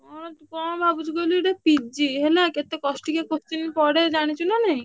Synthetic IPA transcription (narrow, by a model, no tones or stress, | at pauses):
ɔt̪kɔ̃bʱabud͡ʒukoliʈapid͡ʒiɦelaket̪ekɔsʈikekost̪inpɔɽed͡ʑaɽ̃it͡ɕʰunanej